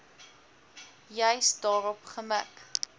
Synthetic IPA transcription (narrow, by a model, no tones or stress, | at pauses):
jəjsdɑːɾɔpχəmə̰k